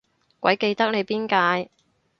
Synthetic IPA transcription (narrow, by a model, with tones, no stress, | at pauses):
kʷɐ˨˥jke˧jt̪ɐ˥k̚ne˨˧jpiː˥nkaː˧j